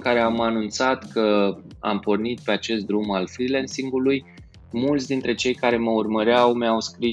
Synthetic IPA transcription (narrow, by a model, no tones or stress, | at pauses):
kaɾe̞amanunt̪sat̪kə | a̰mpo̞rnit̪̚pe̞at͡ʃe̞st̪̚d̪ɾumalfɾilensiŋɡuluj | mult̪sd̪int̪ɾe̞t͡ʃe̞jkaɾe̞məurməɾeawmeawskɾi